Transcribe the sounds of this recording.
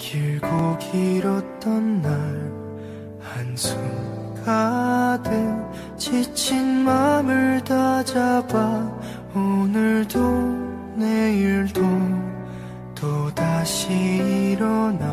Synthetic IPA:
kiɭɡoɡʰiɾʌt͈ʌnːaɭ | hansʰuŋ | kade | t͡ɕʰit͡ɕʰinmamɯɭtad͡ʑaba | onɯɭdo | neiɭdo | todaɕʰiːɾʌna

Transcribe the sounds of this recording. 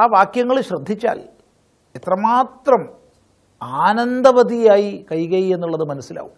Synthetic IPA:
aːʋaːkjɐŋːɐɭɕrɐd̪ʱːit͡ɕːa̰ːl | et̪rɐmaːt̪rɐm | aːnɐnd̪ɐʋɐðijaːjikɐjɣɐjie̞nːuɭːɐðɨmɐnɐsːila̰ːʋu

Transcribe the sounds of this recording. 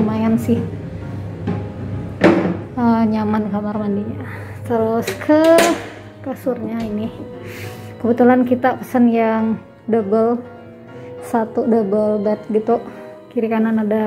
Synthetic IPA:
majansɪh | əɲamankamarmandiɲa | t̪əɾʊskʰə | kasʊrɲainɪ | kəbət̪ulankit̪apə̥sənjaŋ | dəbəl | sat̪udəbəlbɛt̪̚ɡit̪uʔkiɾikananada

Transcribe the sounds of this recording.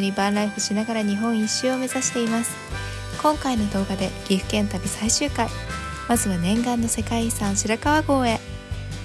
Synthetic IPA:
ɲ̟ibãnɾaiɸɯ̟ɕinaɡaɾaɲ̟iɦõ̞ɰ̃ĩɕːɨome̞zaɕi̥t̪e̞imasɨ̥ | kõ̞ŋkaino̞d̪o̞ːɡad̪e̞ɡ̥ʲiɸɯ̟̥kẽ̞nt̪abʲisaiɕɨːkai | mazɨβanẽ̞ŋɡãnːo̞se̞kaisãɰ̃ɕiɾakaβaɡo̞ːe̞

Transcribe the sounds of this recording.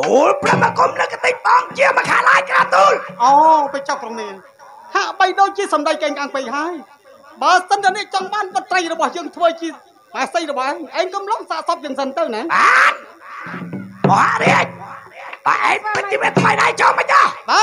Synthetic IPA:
ʔulprəmːəkumləwkat̪ɨc̚ɓɑːŋt͡ɕiəmakʰa̰ːʔlaːjkraːt̪uːlʔɔːpət͡ɕap̚krɑmiən | haʔɓəjɗoːc̚t͡ɕiəsɑmɗajkeːŋkʰaːŋpɨjhaəj | ɓaːsənt̪ɛənɛ̆əʔt͡ɕɑŋɓaːnɓət̪ːrəjrɔɓɑhjəːŋt̪ʰʋəːt͡ɕiə | maːsəjrɔɓɑhʔaːŋʔaɛŋkomloŋsaːʔsɑp̚jəːŋsənt̪ɨwnɛːɓaːn | moha̰ʔriəc̚ɓa̰ʔaːŋpɨt͡ɕːiʋiət̪ʰməjɗaɛjt͡ɕɑməc̚ɑhɓaː

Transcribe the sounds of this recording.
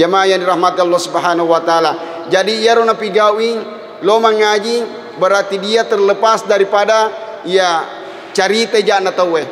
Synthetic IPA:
amajandiɾahmat̪̚alːɔsubaɦanaɦuwat̪aala | d͡ʒadiːaɾɔnapiɡawiŋ | lomaŋad͡ʒi | bəɾart̪idiat̪ərləpasdaɾipada | ija | t͡ʃaɾit̪ad͡ʒanat̪auɛ

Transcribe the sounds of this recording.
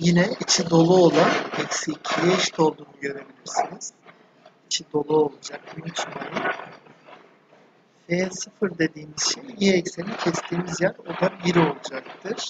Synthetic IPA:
jinɛit͡ʃʰid̪o̞lˠuolˠanɛcsicʰijɛʃt̪ʰo̞lˠd̪uːnuɟø̞ɾe̞bilʲiɾsiniz̥ | it͡ʃʰid̪o̞lˠuo̞lˠud͡ʒak̚ynt͡ʃ̪ʰymelʲi | feɛsɯfɯɾd̪e̞d̪iːmiz̥ʃejjɛːcsenicʰɛst̪ʰiːmizjaɾod̪anbiɾio̞lˠud͡ʒak̚t̪ʰɯɾ̥

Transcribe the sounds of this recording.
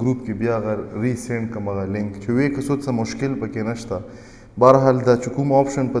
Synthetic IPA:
ɡɾuːpkebjaɣɐɾːiːseɳʈ̚kɐmɐɣalɪ̃ŋkt͡ʃʰuwekɐsot̪sɐmʊʃkɪlpɐkenɐʃt̪a | baːɾɦaːld̪at͡ʃʰukumaːpʃɐnpɐ

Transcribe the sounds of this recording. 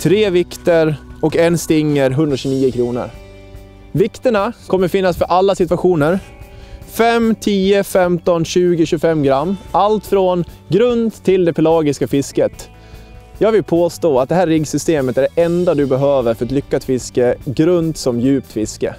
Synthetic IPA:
t̪ʰɾeːvɪkt̪əɾɔkɛnst̪ɪŋːəɾɦɵnd̪ɾaɕʉniːəkʰɾuːnə̰ɾ | vɪkt̪əɳakʰɔmːəɾfɪnːasfœɾʔalːasɪt̪vaɧuːnəɾ | fɛmːt̪ʰiːəfɛmt̪ɔnɕʉ̟ːɡɪɕʉfɛmːɡɾamːalt̪fɾɔnɡɾɵnd̪t̪ʰːɪld̪ɛpʰɛlɑːɡɪskafɪskət̪ | jɑːɡvɪlpʰoːst̪oːat̪̚d̪ɛɦæːɾɪɡsʏst̪eːmət̪æɖɛʔɛnd̪ad̪ɵbɛɦøːvəɾfœɾat̪lʏkːat̪fɪskəɡɾɵnt̪sɔmjʉ̟ːp̚t̪fɪskə̰

